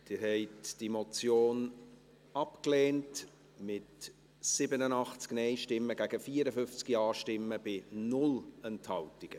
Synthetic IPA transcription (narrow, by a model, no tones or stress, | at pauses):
d̥ɪɾhɛɪtd̥imot͡sjoːn | ɑpkleːnt | mɪt | sɪbənənɑχt͡sknɛɪʃtɪmːəɡæɡəfiːəɾəfʏft͡skiɑːʃtɪmːəb̥ɪnʊlɛnthɑltɪɡ̥ə